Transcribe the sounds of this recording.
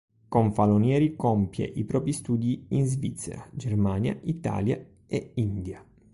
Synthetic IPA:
koɱfalonjɛːɾikompjḛʔipɾɔːpɾist̪uːd̪iinzvit̪sːḛɾad͡ʒermaːnja̰ʔit̪a̰ːlja̰ | eind̪ja

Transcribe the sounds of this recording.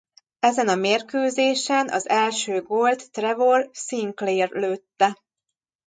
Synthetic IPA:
ɛzɛnɒmeːrkøːzeːʃɛnɒ̰zɛlʃøːɡolt̪ːrɛvolsiŋkleːrløːt̪ːɛ

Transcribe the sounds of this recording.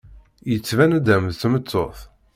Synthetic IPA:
jət͡sːvænæd̪æmðθmət͡sːo̰θ

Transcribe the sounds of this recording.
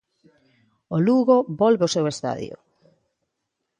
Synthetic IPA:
oluɣobɔlβeosewest̪a̰ðj̰o̰

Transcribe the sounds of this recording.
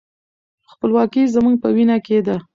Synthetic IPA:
xpəlwɑkizəmuŋɡ̚pəwinɑked̪a

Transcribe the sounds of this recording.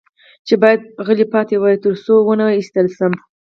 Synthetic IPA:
t͡ʃebɑjad̪̚ɣəlipɑt̪ewɑjt̪əɾsowənawist̪əlsəm

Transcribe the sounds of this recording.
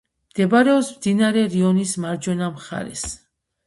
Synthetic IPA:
md̪̥ɛbaɾɛɔpsmd̪inaɾɛɾiɔnismaɾd͡ʒwɛnamχa̰ɾɛ̰s

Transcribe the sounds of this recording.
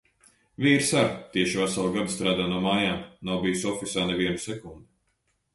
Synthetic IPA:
viːɾsaɾt̪iɛʃivasalˠɡad̪st̪ɾaːd̪aːnuɔmaːjaːmnawbijusɔfisaːnɛviɛnusɛkund̪u

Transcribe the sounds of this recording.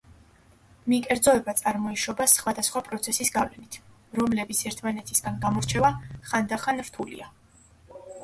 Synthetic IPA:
mikʼɛɾd̪zɔɛbat̪sʼaɾmɔiʃɔbasχwad̪asχwapʼɾɔt̪sʰɛsisɡavlɛnit̪ʰ | ɾɔmlɛbit̪sʰɛɾt̪ʰmanɛt̪ʰisɡanɡamɔɾt͡ʃʰɛvaχand̪aχanɾt̪ʰulḭa

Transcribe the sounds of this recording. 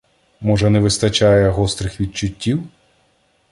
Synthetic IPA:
mɔʒɛnɛʋɪst̪ɐt͡ʃɑjɛɦɔst̪ɾɪxʋʲid̪̚t͡ʃʊtʲːiw

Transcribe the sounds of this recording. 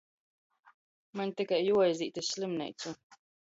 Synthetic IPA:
maɲt̪ikajːuɔjziːt̪ʲisʲsʲlʲimnʲɛ̰jt̪sʲu

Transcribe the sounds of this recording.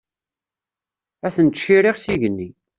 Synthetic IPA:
æθənt͡ʃːiɾiʁsiʝənːi

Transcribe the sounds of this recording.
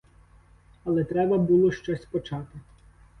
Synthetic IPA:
ɐlˠɛt̪ɾɛbɐbulˠɔʃt͡ʃɔsʲpɔt͡ʃɑt̪ɪ

